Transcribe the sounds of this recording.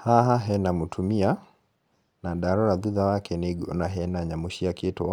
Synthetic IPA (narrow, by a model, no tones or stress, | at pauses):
haɦaɦɛnamutʰumia | naɗaɾɔɾaðuðawakʰɛniɡɔnaɦɛnaɲamuʃiakitɔ